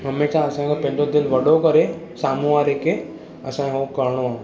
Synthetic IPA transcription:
ɦɐmeːʃaɐsãkʰepɐ̃ɦɪ̃ɲd͡ʑod̪ɪlʋɐɗokɐɾesaːmũʋaːɾekʰe | ɐsãkeɦoːkɐɾɽ̃oãː

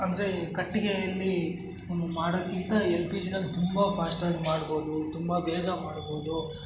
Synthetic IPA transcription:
ɐnd̪ɐɾe̞kɐʈːiɡejɐlːi | maːɽokːint̪ɐelpiːd͡ʒinɐlːit̪umbɐpʰaːsʈaːɡimaːɽbo̞ːd̪ut̪umbɐbɛːɡɐmaːɽbo̞ːd̪u

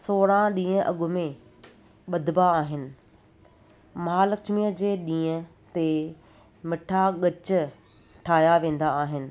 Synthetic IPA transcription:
soːɽãɗĩːə̃ʔɐ̰ɠʊmẽ | ɓɐd̪ʱɪbaːɦɪnɪ̆ | maːləkt͡ʃmiːəd͡ʑeːɗĩːə̃ | t̪e | mɪʈʰaɠɐt͡ɕʊ̆ | ʈʰaːjaʋẽːn̆d̪aːɦɪnɪ̆

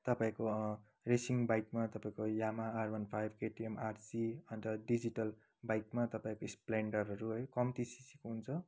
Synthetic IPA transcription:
t̪ʌpaĩko | resiŋbajkmat̪ʌpaĩkojamaːrbʌnpʰajbʱkeʈiemarsiʌnɾʌɖid͡ziʈʌl | bajkmat̪ʌpaĩkoispleɳɖʌrɦʌɾuɦʌjkʌmt̪isisikɦunt͡sʰʌ

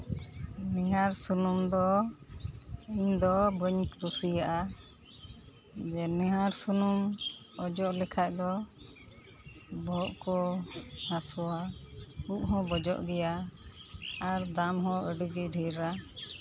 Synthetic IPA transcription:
niɦaɾsunumd̪ɔ | iɲd̪ɔbəɲkd̪usijaʔa | d͡ʒɛnɛɦaɾsunumɔd͡ʒɔʔlɛkʰac̚d̪ɔ | bɔʔkɔhasɔwauʔ̚ɦɔ̃bɔd͡ʒɔ̰ʔɡɛja | aɾd̪amɦɔ̃ʔəɖəɡɛcɖʱiɾa

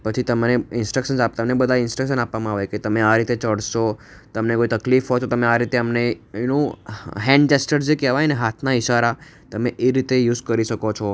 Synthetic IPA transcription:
pət͡ʃʰit̪əmneɪnsʈɾəkʃənapt̪əmnebəd̪ʱaɪnsʈɾəkʃənapʋamãaʋejket̪əmeaɾit̪et͡ʃəɽʃot̪əmnekoit̪əklifɦɔt͡ʃʰot̪əmeaɾit̪eəmnejunoɦɛ̃ɳɖt͡ʃesʈəɾekɛʋajneɦat̪ʰnaɪʃaɾa | t̪əmeʔeɾit̪ejuːzkəɾiʃəkot͡ʃʰɔ

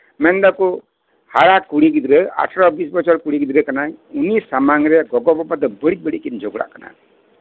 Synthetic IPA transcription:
mɛnd̪aku | haɽakuɽiɡid̪ɾəa̰ʈʰɾɔbis̬bɔt͡ʃɔɾkuɽiɡid̪ɾəkanajunisamaŋɾɛɡɔɡɔbɔbad̪ɔbəɽibəɽikind͡ʒɔɡɽa̰ʔkana̰

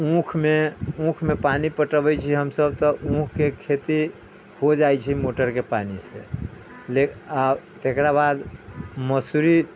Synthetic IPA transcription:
ũkʰmeũkʰmepanipəʈəbɛt͡ʃʰiɦəmsəb̚t̪ɔũkʰkekʰet̪i | hod͡ʒajt͡ʃʰimoʈəɾkepanisḛ | leat̪ekɾabad̪məsuɾi

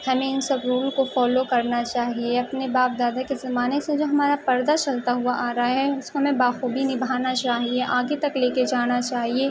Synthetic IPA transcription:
hɐmẽɪnsɐbɾuːlkofɔːlokɐɾnat͡ʃaːɦieɐpnebaːp̚d̪aːd̪akezɐmaːnesẽd͡ʒoːɦɐmaːɾapɐɾd̪at͡ʃɐlt̪aɦuaʔaːɾaɦaɦɛʊskomẽbaːxuːbinɪbʱaːnat͡ʃaːɦieʔaːɡet̪ɐkleːked͡ʒaːnat͡ʃaːɦieː

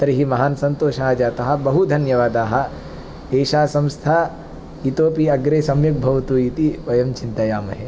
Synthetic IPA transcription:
t̪ɐɾiɦimɐɦaːnɐsɐnt̪oːʃad͡ʒaːt̪ɐɦɐ̆bɐɦud̪ʱɐnjɐʋaːd̪aːɦɐ̆ | eːʃaːsɐmst̪ʰaː | it̪oːpiɐɡɾeːsɐmjɐk̚bʱɐʋɐt̪uːit̪iʋɐjɐmt͡ʃint̪ɐjaːmɐ̰ɦe

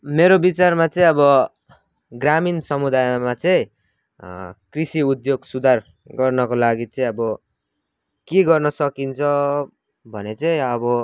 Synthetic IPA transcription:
meɾobit͡sarmat͡sʌĩʌbʌ | ɡraminsʌmud̪ajmat͡sʌĩ | krisiud̪joɡsud̪ʱar | ɡʌrnʌkolaɡit͡sʌĩʌbʌ | keɡʌrnʌsʌkint͡sʰʌ | bʱʌnet͡sʌĩʌbʌ

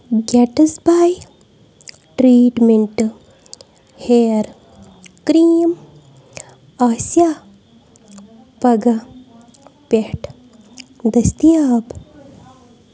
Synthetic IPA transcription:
ɡɛːʈɐsbaːj | ʈɾiːʈmeɳʈ | heːɾ | kɾiːm | aːsjaː | pɐɡɐ | pehʈ | d̪ɐst̪ijaːb

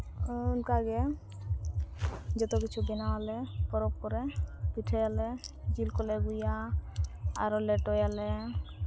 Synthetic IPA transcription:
unkaaɡe | d͡ʒɔt̪ɔk̬it͡ʃʰubinaalepɔɾɔpkɔɾepiʈʰajalɛ | d͡ʒilkɔleɡuja | a̰ɾɔleʈɔjale

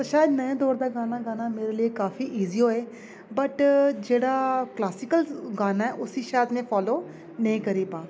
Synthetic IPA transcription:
əʃaːjd̪nəẽːd̪ɔːɾd̪aːɡaːnaːɡaːnaːmeːɾeːlieːkaːfiːʔiːziːɦoːeː | bəʈd͡ʒeːɽaːklaːsɪkəlɡaːnaːɛːʔʊsiːʃaːjd̪mẽːpʰɔːloː | nəĩːkəɾiːpaː

